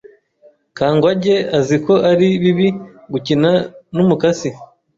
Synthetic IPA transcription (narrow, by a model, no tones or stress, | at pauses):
kaːŋɡwaɟe̞aziko̞ʔaɾiβiβi | ɡucinanumukasi